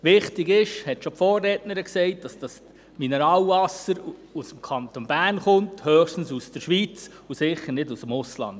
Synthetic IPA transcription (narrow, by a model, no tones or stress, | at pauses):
ʋɪχtɪɡɪʃhɛtʃopfɔːrːɛtnəɾəksɛɪt̚d̥ɑsd̥ɑs | minɛɾɑːlvɑsəɾusəmkʰɑntonb̥æɾnχʊnthøːχʃtn̩susd̥əɾʃʋit͡s | usɪχəɾnɪdusəmʊslɑ̰nd